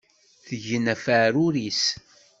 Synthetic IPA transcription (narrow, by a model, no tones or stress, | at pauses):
θəʝənæfəɾuɾis